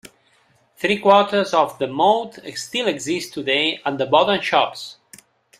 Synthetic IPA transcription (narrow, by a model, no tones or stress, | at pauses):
θɾikwɔɹtə˞zɔvðəmoʊt̪ʰɛst̪ilɛɡzist̪ʰːud̪eɪə̃nðəbɔdə̃nʃɔps